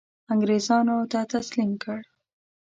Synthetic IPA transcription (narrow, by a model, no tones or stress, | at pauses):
aŋɡɾezɑnot̪at̪aslimkəɽ